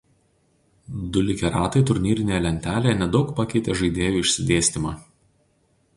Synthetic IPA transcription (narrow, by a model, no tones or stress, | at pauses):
d̪ʊlʲɪkʲɛɾɑːt̪ɐɪt̪ʊɾʲnʲiːɾʲɪnʲeːjɛlʲɛnʲt̪ʲæːlʲejɛnʲɛd̪ɒʊkpɐkʲɛɪt̪ʲeːʒɐɪd̪ʲeːjuːɪʃʲsʲɪd̪ʲeːsʲt̪ʲɪmɑː